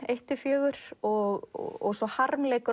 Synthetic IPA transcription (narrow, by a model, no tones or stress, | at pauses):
ejht̪ʏfjœːɣʏɾɔɣ̰ɔ̰ɣsɔhaɾmleːjkʏɾ